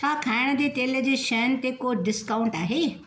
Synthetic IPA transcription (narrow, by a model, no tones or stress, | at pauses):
saːkʰaːɽ̃d̪iːʈeːled͡ʒeːʃɛːnt̪ekoːɖɪskaːʊ̃ɳʈaːɦeː